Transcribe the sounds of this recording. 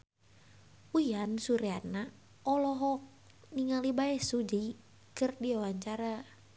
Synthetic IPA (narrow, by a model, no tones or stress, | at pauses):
ujansuɾeana | ɔlɔɦɔk̚ | niŋalibaɛsud͡ʒi | kɨrdiwawaɲt͡ʃaɾa